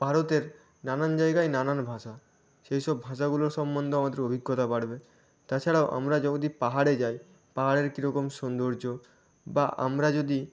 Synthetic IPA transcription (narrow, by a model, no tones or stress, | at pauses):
b̥ʱaɾot̪eɾ | nanand͡ʑaeɡajnananbʱaʃa | ʃejʃɔbbʱaʃ̬aɡuloɾʃɔmbond̪ʱoamad̪eɾobʱiɡːot̪abaɽbe | t̪at͡ɕʰaɽaoʔa̰mɾad͡ʑɔod̪ipaɦaɽed͡ʑaj | paɦaɽeɾkiɾɔkomʃɔnd̪oɾd͡ʑo | baʔa̰mɾad͡ʑod̪i